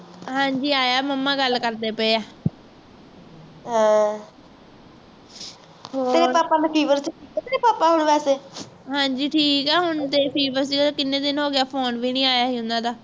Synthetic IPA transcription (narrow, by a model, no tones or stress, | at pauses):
ɦãːɲd͡ʒiːaːjaːməmːãːɡəlːkəɾd̪eːpəeːaː | ɦãː | ɦoːt̪eːɾeɾpaːpaːnəpʰiːʋəɾsit̪eːɾeːpaːpaːɦʊɳʋɛːseː | ɦãːɲd͡ʒiːʈʰiːkɛːɦʊɳt̪eːpʰiːʋəɾs̬iːɡt̪aːkɪnːẽːd̪ɪnɦoːɡɪaːpʰoːnʋiːnĩːaːjaːɦiːɦʊ̃nd̪ãːd̪aː